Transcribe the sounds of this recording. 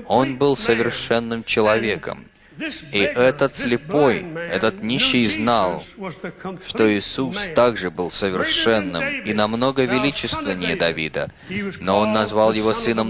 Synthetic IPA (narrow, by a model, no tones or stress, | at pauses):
o̞nbɨlˠsəvʲɪrʂɛnːɨmt͡ɕɪlˠɐvʲekə̰m | iʔɛt̪ət̪slʲɪpo̞jɛt̪ət̪nʲiɕːɪjznalˠ | ʂt̪o̞ɪsust̪aɡʐɨbɨlˠsəvʲɪrʂɛnːɨ̰minɐmno̞ɡəvʲɪlʲit͡ɕɪst̪vʲɪnʲɪjəd̪ɐvʲḭd̪ə̰ | noonːɐzvalˠjɪvo̞sɨnəm